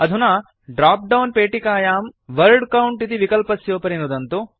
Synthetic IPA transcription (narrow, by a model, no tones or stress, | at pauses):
ɐd̪ʱunaː | ɖɾaːp̚ɖɐwnpeːʈikaːjaːmʋɐɾɖkɐwuɳʈit̪iʋikɐlpɐsjoːpɐɾinud̪ɐnt̪u